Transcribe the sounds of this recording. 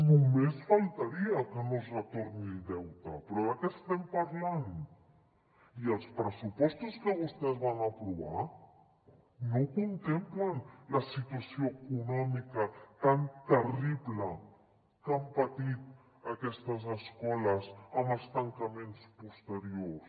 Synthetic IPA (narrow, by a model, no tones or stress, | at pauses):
nomesfalt̪aɾiakənozret̪oɾnid̪ɛwt̪apɾoðakest̪empaɾlan | ielspɾesupɔst̪oskəβust̪ezβanapɾuβa̰ɾ | nokont̪emplanlasit̪wasjoekunomikat̪ant̪eriβla | t̪ampat̪it̪̚ | akest̪as̬eskolasamast̪aŋkamẽnspost̪eɾjos